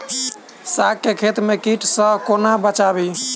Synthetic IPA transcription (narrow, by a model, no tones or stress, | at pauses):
sakːekʰet̪mekiʈʰsə̃konabət͡ʃabi